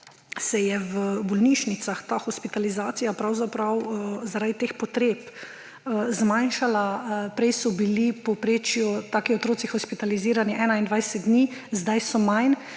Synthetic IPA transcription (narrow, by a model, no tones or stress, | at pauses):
sɛjɛwbɔlniʃnit̪saxt̪axɔspit̪alizaːt̪sijapɾawzapɾawzaɾad̪it̪eːxpɔt̪ɾeːp | zmanʃalapɾɛjsɔbilipɔpɾeːt͡ʃjut̪aːkiɔt̪ɾoːt̪sixɔspit̪aliziːɾaniʔɛːnaind̪ʋajsɛt̪̚d̪niːzd̪ajsɔmajn